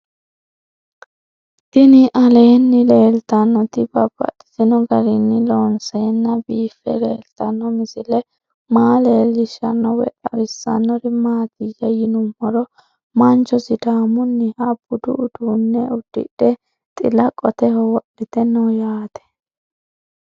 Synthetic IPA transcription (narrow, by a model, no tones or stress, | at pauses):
t̪ɪnɪʔɐleːnːɪleːlt̪ɐnːɔt̪ɪbɐb̥ːɐ̰ɗɪ̥sɪnɔɡɐɾɪnːɪloːnseːnːɐbiːfːɛ̰leːlt̪ɐnːɔmɪsɪlɛ | maːleːlːɪʃɐnːɔwɛ̰ʔʼɐwɪsːɐ̰nːɔɾɪmaːt̪ɪjːɐjɪnʊmːɔɾɔ | mɐnt͡ʃɔsɪd̪aːmʊnːɪhɐb̥ʊd̪ʊ̰ʔʊd̪uːnːɛʊd̪̥ːɪ̰ᶑɛ | t̪ʼɪlɐkʼɔt̪ɛhɔwɔʔɪt̪ɛnːɔjaːt̪ɛ̥